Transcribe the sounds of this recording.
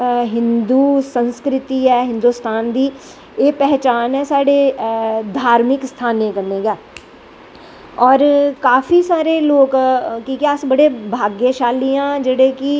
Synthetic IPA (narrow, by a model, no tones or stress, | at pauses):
ɦɪnd̪uːsənskɾɪt̪iːɛːɦɪ̃nd̪uːst̪aːnd̪iː | eːpɛɦt͡ʃaːnɦɛːsaːɽeːd̪ʱaːɾmɪkst̪ʰaːnẽːkəneːɡaː | ɔːɾkaːfʰiːsaːɾeːloːkkiːkɛːəsbəɽeːbʱaːɡjeːʃaːliːãːd͡ʒeɽeːkɪ